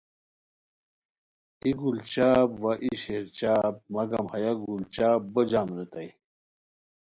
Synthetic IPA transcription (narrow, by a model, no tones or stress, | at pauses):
iɡult͡ɕaːbʋaʔiɕeɾt͡ɕaːb̚mɐɡɐmhɐjaɡult͡ɕaːb̚bəd͡ʑaːmɾet̪aj